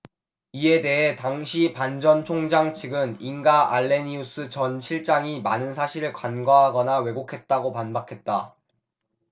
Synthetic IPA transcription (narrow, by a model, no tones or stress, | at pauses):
ie̞de̞ɦe̞taŋɕʰipand͡ʑʌnt͡ɕʰoŋd͡ʑaŋt͡ɕʰiɡɯninɡaʔaɭːe̞nius͈ʰɯt͡ɕʌnɕʰiɭt͡ɕ͈aŋimanɯnsʰaɕʰiɾɯɭkwanɡaɦaɡʌnawe̞ɡokʰe̞t̚t͈aɡopanbakʰe̞t̚t͈a